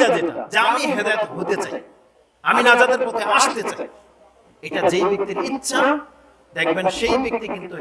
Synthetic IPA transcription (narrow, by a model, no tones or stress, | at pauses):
ad͡ʑeʈa̰d͡ʑeamiɦed̪aet̪oɦot̪et͡ɕa̰j | aminad͡ʑad̪eɾpɔt̪ʰeaʃt̪et͡ɕaj | eʈad͡ʑejbek̚t̪iɾitːɕʰʃʰa | d̪ɛkʰbenʃejbek̚t̪ikint̪u